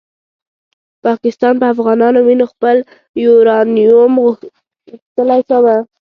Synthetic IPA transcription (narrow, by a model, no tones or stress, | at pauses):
pɑkɪst̪ɑnpəafɣɑnɑnominoxpəl | juɾɑnijum | ɣʊxt̪əlajʃawa